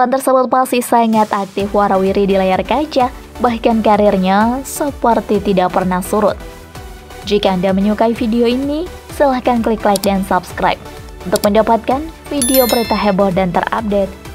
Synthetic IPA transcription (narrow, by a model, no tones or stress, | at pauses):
lant̪ərsəbʊt̪̚masihsaŋat̪ak̚t̪ɪfwaɾawiɾidilajarkad͡ʒa | bahkankaɾirɲasəpərt̪it̪idaʔpərnahsuɾʊ̰t̪̚ | d͡ʒikaːndaməɲukaifideoini | səlahkanklɪklajk̚dansapskɾa̰jp̚ | unt̪ʊk̚məndapat̪̚kan | fideobəɾit̪aɦɛbɔhdant̪ə̰ra̰p̚det̪̚